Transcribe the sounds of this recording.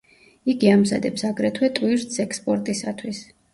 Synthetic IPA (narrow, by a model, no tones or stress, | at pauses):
iɡiamza̰d̪ɛpsaɡɾɛt̪ʰwɛt̪ʼwiɾt̪sɛkspʼɔɾt̪ʼisat̪ʰwis